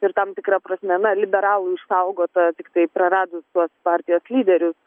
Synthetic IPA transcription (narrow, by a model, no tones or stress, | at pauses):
ɪɾt̪ɐmt̪ʲɪkɾɐpɾɐsʲmʲɛnɐlʲɪbʲɛɾɑːlˠʊɪʃsɐʊɡoːt̪ɐt̪ʲɪkt̪ɐɪpɾɐɾɑːd̪ʊst̪uɔspɑːɾʲt̪ʲɪjoːslʲiːd̪ʲɛɾʲʊs